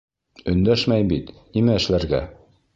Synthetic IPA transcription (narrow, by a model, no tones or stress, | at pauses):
ɵ̆nd̪æʃmæjbit̪nimæɘ̆ʃlæɾɡæ̰